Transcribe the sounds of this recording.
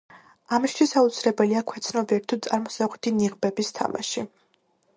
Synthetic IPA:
amist̪ʰwisaut̪sʰilɛbɛliakʰwɛt̪sʰnɔbiɛɾit̪ʰut̪sʼaɾmɔsaʁɛt̪ʰiniʁbɛbist̪ʰa̰ma̰ʃi

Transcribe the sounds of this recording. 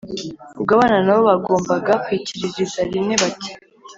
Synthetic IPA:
ub̚ɡaβaːnanaβo̞βaɡo̞ːmbaɡakwiciɾiʒizaɾine̞βati

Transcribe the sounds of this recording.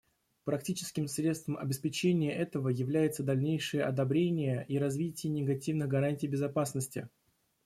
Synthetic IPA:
pɾɐk̚tʲit͡ɕɪskʲɪmsɾʲet̪st̪vəmʔɐ̰bʲɪspʲɪt͡ɕenʲɪjəʔɛt̪əvəjɪvlʲæjɪt̪səd̪ɐlʲnʲejʂɨjəʔɐd̪ɐbɾʲenʲɪjəʔiɾɐzvʲitʲɪjənʲɪɡɐtʲivnɨɣɡɐɾanʲtʲɪjbʲɪzɐpasnəsʲtʲɪ̰

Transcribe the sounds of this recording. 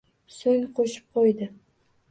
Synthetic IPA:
soŋqʰoʃɪ̥p̚qʰojd̪ɪ

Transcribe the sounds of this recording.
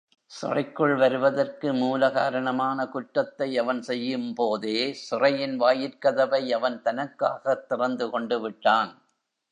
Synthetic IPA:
sʊ̰rɐɪkːɯɭʋɐɾɯʋɐðɐrkɯmuːlɐɣaːɾɐɳɐmaːnɐkʊʈːɐt̪ːɐɪɐʋɐnsɛjːɯmpoːðeːsʊrɐjɪnʋaːjɪɾkɐðɐʋɐɪɐʋɐnt̪ɐnɐkːaːɣɐt̪ːɪrɐnd̪ɯkɔɳɖɯʋɪʈːaːn

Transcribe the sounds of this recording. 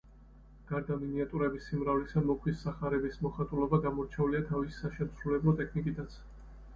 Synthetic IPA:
ɡ̥aɾd̪aminiat̪ʼuɾɛbisimɾavlisamɔkʰwisːaχaɾɛbismɔχat̪ʼulˠɔbaɡamɔɾt͡ʃʰɛuliat̪ʰavissaʃɛmsɾulɛblˠɔt̪ʼɛkʰnikʼit̪ʰat̪sʰ

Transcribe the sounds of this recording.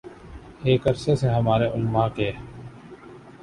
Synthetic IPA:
eːkɐɾseseɦɐmaːɾeʔʊlmãkeː

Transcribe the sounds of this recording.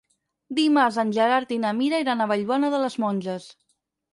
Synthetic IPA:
d̪imazanʲʒəɾaɾt̪inamiɾaiɾanəβəʎwɔnəðələzmɔnʲʒəs

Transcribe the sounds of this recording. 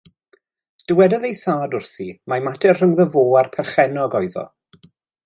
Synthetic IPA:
d̥əwɛdaðejθaːdʊrθimamatɛrr̥əŋðəvoːarpʰɛrχɛnɔɡɔjðɔ̰

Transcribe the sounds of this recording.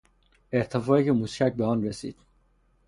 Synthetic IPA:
eɾt̪ʰefɒːecʰemuscʰæc̚beɔnɾesḭːd̪̥

